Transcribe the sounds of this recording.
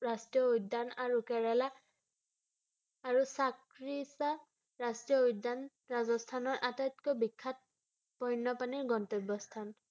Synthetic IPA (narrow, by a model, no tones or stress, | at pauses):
ɹastɹijɔujdanaɹukɛɹɛla | ɹusak | ɹisa | ɹastɹijɔujdːan | ɹazɔstʰanɔɹʔatatkɔbikʰːat̚ | pɔjnːɔpaniɹɡɔntɔbːɔstʰan